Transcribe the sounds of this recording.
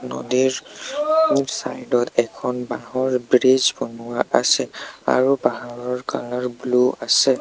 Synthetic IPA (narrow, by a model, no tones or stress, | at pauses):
nɔ̰diɹ | sa̰jdɔtɛkʰɔnbaɦɔɹbɹid͡ʒbɔnʊwaʔasɛa̰ɹupaɦaɹɔɹka̰lɔɹbluasɛ